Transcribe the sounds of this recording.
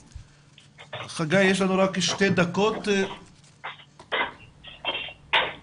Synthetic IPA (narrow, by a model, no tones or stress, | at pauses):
χaɡajeʃ̬lanuɾakʃt̪ed̪akot̪